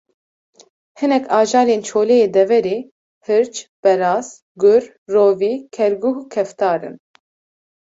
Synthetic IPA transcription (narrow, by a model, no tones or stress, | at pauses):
hɨnɛkʰɑːʒɑːleːnt͡ʃʰoːlejeːd̪ɛvɛɾeː | hɨɾt͡ʃb̥ɛɾɑːz | ɡʊɾ | roːviːkʰɛɾɡuɦukʰɛft̪ɑːɾɨ̰n